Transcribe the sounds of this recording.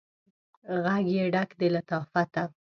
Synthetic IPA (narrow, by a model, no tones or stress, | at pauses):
ɣaɡjeɖakd̪elat̪ɑfat̪a